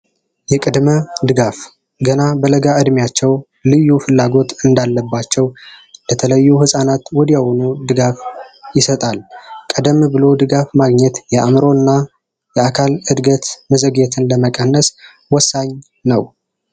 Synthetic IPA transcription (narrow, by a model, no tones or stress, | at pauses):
jɛkʼɨd̪məd̪ɨɡaf | ɡənabələɡaɨd̪mjat͡ʃːɛw | lɨjːufɨlːaɡo̞t̪ɨnd̪alːəbːat͡ʃːɛwlət̪ʰələjːuhɨsʼanat̪wɔd̪ijawonud̪ɨɡafjɪsət̪ʼalkʼəd̪əmbɨlo̞d̪ɨɡafmaɡɲɛt̪jɛʔamɨɾo̞ɨnːa | jɛakʰalɨd̪ɡət̪məzəɡet̪ʰɨnləməkʼənːəs | wɔsːaɲ | nəw